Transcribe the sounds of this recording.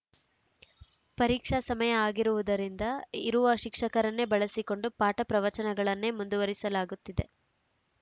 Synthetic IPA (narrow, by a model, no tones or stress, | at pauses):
pɐɾiːkʂɐsɐmɐjɐaːɡiɾuʋud̪ɐɾind̪ɐiɾuʋɐʃikʂɐkɐɾɐnːebɐɭɐsiko̞ɳɖupaːʈɐpɾɐʋɐt͡ʃɐnɐɡɐɭɐnːe̞mund̪uʋɐɾisɐlaːɡut̪ːid̪e̞̰